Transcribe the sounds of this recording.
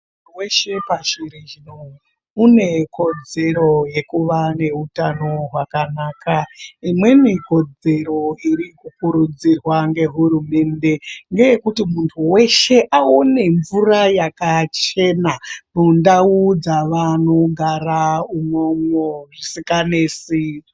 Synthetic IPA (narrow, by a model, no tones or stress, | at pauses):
utuweʃe̞paʃiɾed͡ʒino | une̞ko̞d͡ze̞ɾo̞je̞kuʋane̞utano̞ɦwakanaːkʰaimwe̞miko̞d͡ze̞ɾo̞iɾikukuɾud͡zirwaŋɡe̞ɦuɾume̞nde̞ŋɡe̞jekutimuntʰuwe̞ʃe̞ʔaone̞ɱvurajakat͡ʃe̞nanundaud͡zaʋano̞ɡʱaraumwomwoʐisikaneːsi